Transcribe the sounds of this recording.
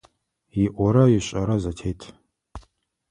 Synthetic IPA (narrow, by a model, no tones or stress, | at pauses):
jiʔʷɔɾɐɥiɕʼɐɾɐzɐtʰejtʰ